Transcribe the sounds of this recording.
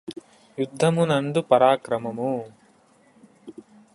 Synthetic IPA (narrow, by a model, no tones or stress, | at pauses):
jud̪ʱːɐmunɐɳɖupɐɾaːkɾɐmɐmu